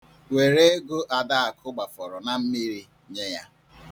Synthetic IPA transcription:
we˨ɾe˦ɡo˦ʔa˨da˦a˨kʰʊ˦ɡ͡ba˨fɔ˨ɾɔ˨na˨m̩˦mi˦ɾi˦ | ɲe˦ja˦

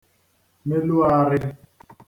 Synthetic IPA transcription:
me˦lu˦a˦ɾɪ˦

